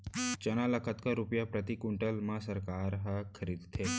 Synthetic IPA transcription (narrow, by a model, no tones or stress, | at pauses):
t͡ɕəñaləkət̪kaɾupjapɾət̪ikuɳʈəlmãsəɾkaɾɦakʰəɾiːd̪t̪ʰe